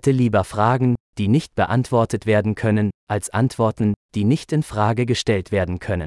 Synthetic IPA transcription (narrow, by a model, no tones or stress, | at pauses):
tʰəliːbɐfʁ̥aːɡŋ̩d̥iːnɪçt̚b̥əʔa̰ntv̥ɔɐtətv̥eːɐdn̩kʰœnənʔalsʔa̰ntv̥ɔɐtn̩d̥iːnɪçtɪnfʁ̥aːɡəɡəʃtɛltv̥eːɐdn̩kʰœnə̰n